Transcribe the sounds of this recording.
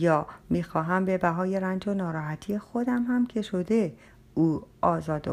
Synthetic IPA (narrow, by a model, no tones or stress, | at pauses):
jɒːmiːxɒːɦæmbe̞bæɦɒːjeɾænd͡ʒonɒːɾɒːɦæt̪ʰijexo̞d̪æmhæmcʰe̞ʃo̞d̪e̞ | uːɒːzɒːd̪o